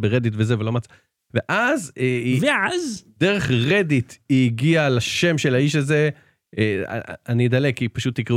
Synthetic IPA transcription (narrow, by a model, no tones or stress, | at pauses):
beʁe̞d̪itvezevelo̞mat͡sa | veʔazeveazde̞ʁeχʁe̞ditiɡialaʃe̞mʃe̞laiʃ̬aze̞ | a̰anid̪alekːipaʃut̪ːikʁi